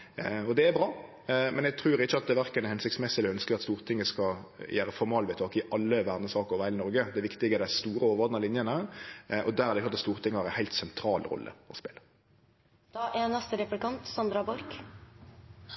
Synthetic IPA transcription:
ɔd̪ɛæbɾɑː | mʔɛnɛɡ̚t̪ʰɾʉːɾɪçːəɑt̪̚d̪ɛʋæɾkənɛhɛnsɪkt̪smɛsəlɪœnskəɑt̪st̪uːɾt̪ʰɪŋːəskɑjʔæːɾəfɔɾmɑːlʋɛːt̪ʰɑːkɪʔɑlːəʋæːʁd̪nəsɑːkəɾɔʋhæɪlɪnɔɾɡəd̪ɛʋɪkt̪ɪɡəɛd̪æɪst̪uːɾəɔːʋɔd̪nɑlɪnjənəʔɔd̪æɾæɾd̪ɛɪklɑt̪ɑtst̪uːɾt̪ɪŋːəhɑɾɛnhæɪlt̪sɛnt̪ʰɾɑːlɾɔ̰lːə̰ɔ̰spḛːlə̥ | ʔeːnɑst̪əɾɛplɪkɑnt̪sɑnd̪ɾɑbɔɾk

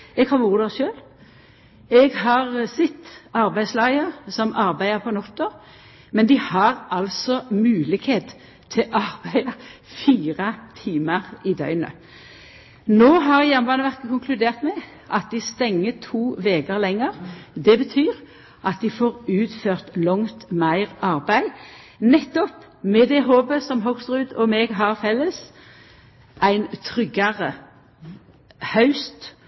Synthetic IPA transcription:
ɛɡhɑɾuːʁd̪ɑʃøːl | ɛɡhɑʁsɛt̪ːɑʁbæɪd̪slɑɪəsɔmʔɑɾbæɪəpʰɔnɔt̪ːoːʁ | mɛnd̪ɪhɑʁɑlsɔmʉːlɪɡheːt̪ | t̪ʰːɪlʔɑʁbæɪəfiːʁət̪ʰiːməʁɪd̪œ̰ʏnə̰ | noːɦɑʁjæʁmbɑːnəʋæʁkəkʊŋkʰlʉd̪eːʁt̪mɛ | ʔɑt̪̚d̪ɪst̪ɛŋːət̪ʰuːʋeːɡəʁlɛŋːəʁd̪ɛbət̪ʰyːʁ | ʔɑt̪̚d̪ɪfoːʁʉːt̪føːʁt̪lɔŋt̪mæɪʁɑʁbæɪ | nɛt̪ːɔp | mɛd̪ɛɦoːbəsɔmɦɔkst̪ʁʉːd̪ɔmɛɡɦɑʁfɛlːəs | ʔæɪnt̪ʰʁʏɡɑʁə | hɑʉst̪

